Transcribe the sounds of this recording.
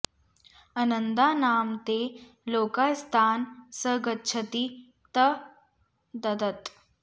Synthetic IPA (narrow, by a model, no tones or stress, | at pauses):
ɐnənd̪aːnaːmt̪e | loːkast̪ʰaːnsəɡətːt͡ʃʰɐt̪i | t̪ɐ | d̪ɐd̪ət̪